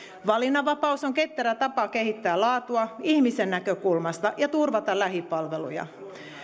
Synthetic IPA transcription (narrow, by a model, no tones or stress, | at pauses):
ʋɑlinɑʋɑpɑusoŋket̪ːæɾæt̪ɑpɑke̞ɦit̪ːæːlɑːt̪uɑihmisenːækøkulmɑst̪ɑʔjɑt̪urʋɑt̪ɑlæɦipɑlʋelṵjɑ̰